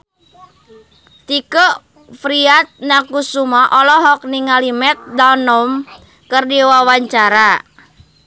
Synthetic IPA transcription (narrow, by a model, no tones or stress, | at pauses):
t̪ikoʔ | fɾiat̪̚nakusumaʔɔlɔɦɔk̚niŋalimɛt̪̚danɔm | kərdiwawaɲt͡ʃaɾa